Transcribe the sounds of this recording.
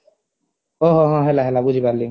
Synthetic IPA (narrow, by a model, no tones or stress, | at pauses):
oɦoɦɔ̃ɦelaɦɛlabud͡ʒʱipaɾlːi